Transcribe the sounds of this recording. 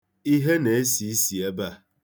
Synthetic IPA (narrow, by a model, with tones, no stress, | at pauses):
i˦ɦe˦ne˨e˦si˨˦si˨e˦ba˦˨